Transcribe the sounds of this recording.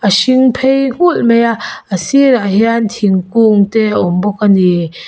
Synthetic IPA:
ʔaʃiŋpʰejŋ̥ulmejaəsiɾaɦjant̪ʰiŋkuŋt̪ɛaɔmbɔkani

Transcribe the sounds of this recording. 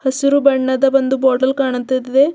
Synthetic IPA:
hɐsiɾubɐɳːɐd̪ɐbɐnd̪uboːɾʈɐlkaːɳɐt̪ːɐd̪id̪e

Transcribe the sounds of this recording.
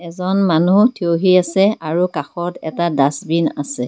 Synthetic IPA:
ɛzɔnmanutʰioɦiasɛaɹukaxɔtɛ̰tadasbina̰sɛ

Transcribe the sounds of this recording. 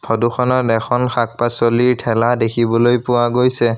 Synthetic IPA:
pʰɔduxʰɔnɔtɛkʰɔnxʰak̚pasoliɹtʰɛladekʰibɔlojpʊwaɡojsɛ

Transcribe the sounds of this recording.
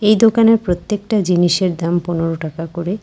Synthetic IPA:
ejd̪okaneɾpɾot̪ːekʈad͡ʑiniʃeɾd̪amponeɾoʈakakoɾe

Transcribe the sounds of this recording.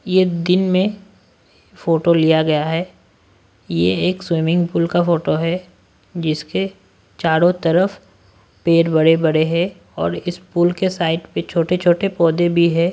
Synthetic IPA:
jed̪ɪnmẽ | foːʈolijaɡɐjaɦɛː | jeeːkswiːmɪ̃ŋɡpuːlkafoːʈoɦɛ | d͡ʒɪske | t͡ʃaːɾõt̪ɐɾəf | peːɾbɐɽebɐɽeɦɛ̃ | ɔ̰ːɾɪspuːlkesaːɪʈpet͡ʃʰoːʈet͡ʃʰoːʈepɔːd̪ebʱiɦɛ̃ː

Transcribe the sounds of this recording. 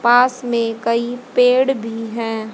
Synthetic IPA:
paːsmẽkɐipeːɽbʱiɦɛ̃ː

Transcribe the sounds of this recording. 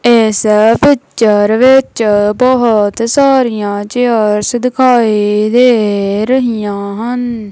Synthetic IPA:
ɪspɪt͡ʃʃəɾʋɪt͡ʃbɔɦʊt̪saːɾijãːt͡ʃeəɾsd̪ɪkʰaːid̪eːɾəɦijãːɦən

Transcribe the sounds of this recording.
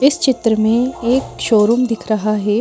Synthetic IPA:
ɪst͡ʃɪt̪ɾəmẽeːkʃoːɾumd̪ɪkʰɾɐɦaɦɛː

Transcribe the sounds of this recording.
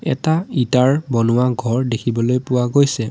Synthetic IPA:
ɛ̰taitaɹbɔnʊwaɡʱɔɹdekʰibɔlojpʊwaɡojsɛ

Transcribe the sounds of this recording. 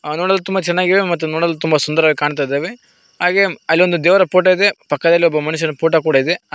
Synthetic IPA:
noːɽɐlːɐt̪umbɐt͡ʃɛnːaːɡiʋemɐt̪ːunoːɽɐlːɐt̪umbɐsund̪ɐɾʋɐɭːikaːɳt̪̬ajd̪eːʋe | ɦaːɡe̞ɐlːio̞nd̪ud̪eːʋɐɾɐpoːʈ̬ɐid̪epɐkːɐd̪ɐlːiɔbːɐmɐnuʃ̬ɐnɐpoːʈ̬ɐkuːɽɐid̪e

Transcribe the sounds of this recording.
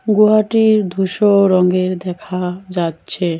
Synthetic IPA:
ɡuɦaʈiɾd̪ʱuʃoɾɔŋɡeɾd̪ɛkʰad͡ʑatːɕʰe

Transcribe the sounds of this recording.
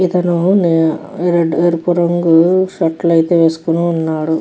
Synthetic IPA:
it̪ɐnunɾeɖueːɾpuɾɐŋɡuʃɐʈːlɐjt̪eːʋe̞ːsu̥kunuːnːaːɽu

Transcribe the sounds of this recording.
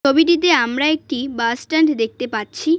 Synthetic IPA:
obiʈ̬it̪̬eamɾaek̚ʈibasʈaɳʈd̪ek̚t̪epatːɕʰi

